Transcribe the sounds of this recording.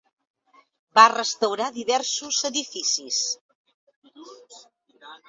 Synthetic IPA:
barəst̪əwɾaðiβɛɾsuzəðifisis

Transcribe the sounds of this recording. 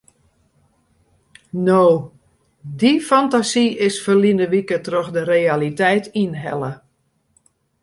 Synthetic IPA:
noː | difantasiɪsfərlinəʋikətroxdəreːalitɛjtinɦɛ̰lə

